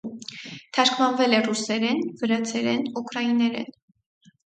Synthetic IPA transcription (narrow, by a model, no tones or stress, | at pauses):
t̪ʰɑɾkʰvɑnvɛlɛrusɛɾɛnvəɾɑt͡sʰɛɾɛnukʰɾɑinɛɾɛ̰n